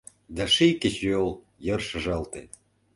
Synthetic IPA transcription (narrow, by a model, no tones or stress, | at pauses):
d̪ɑʃikĕt͡ɕolˠ | jɤ̆rʃə̆ʒɑlt̪ḛ